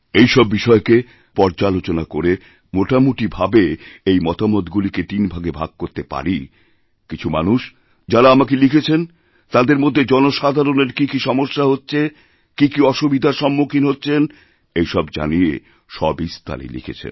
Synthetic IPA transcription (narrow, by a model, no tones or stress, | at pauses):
ejʃɔbːiʃɔeke | pɔɾd͡ʑalot͡ɕonakoɾe | moʈamuʈibʱabeejmɔt̪amot̪ɡuliket̪inbʱaɡebʱa̰ɡ̚koɾt̪epa̰ɾi | kit͡ɕʰumanuʃ | d͡ʑaɾaamakelikʰet͡ɕʰen | t̪ad̪eɾmod̪ʱːed͡ʑɔnoʃad̪ʱaɾoneɾkikiʃɔmoʃːaɦotːɕʰe | kikiɔʃubid̪ʱaʃɔmːukʰinɦotːɕʰen | ejʃɔbd͡ʑa̰niḛ | ʃɔbist̪ʰa̰lḭlḭkʰḛt͡ɕʰḛn